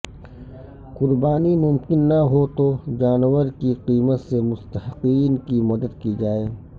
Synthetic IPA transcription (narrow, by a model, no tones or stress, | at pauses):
qʊɾbaːnimʊmkɪnːɐɦot̪od͡ʒaːnwəɾkiqiːmət̪semʊst̪əɦqiːnkimɐd̪əd̪kid͡ʒaːeː